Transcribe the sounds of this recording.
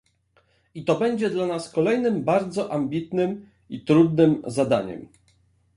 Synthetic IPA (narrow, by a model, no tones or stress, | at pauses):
it̪ɔbɛɲd͡ʑɛd̪lanaskɔlɛjnɘmbaɾd̪zɔʔambʲit̪nɘm | it̪ɾud̪nɘmzad̪a̰ɲɛ̰m